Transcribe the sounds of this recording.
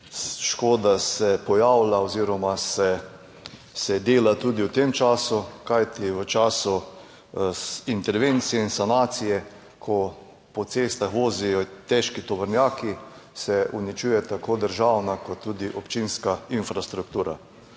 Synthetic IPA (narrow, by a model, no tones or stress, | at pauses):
ʃkoːd̪asɛpɔjaːwlaoziɾɔmasɛ | sɛd̪eːlat̪uːd̪iwt̪emt͡ʃaːsukajt̪iʋət͡ʃaːsu | int̪ɛɾʋent̪sijɛinsanaːt̪sijɛ | kʰɔ | pɔt̪seːst̪axʋoːzijɔt̪ɛʃkit̪ɔʋəɾnjaːki | sɛʔunit͡ʃuːjɛt̪akoːd̪əɾʒawnakɔt̪ːuːd̪iʔɔpt͡ʃinskainfɾast̪ɾuk̚t̪uːɾa̰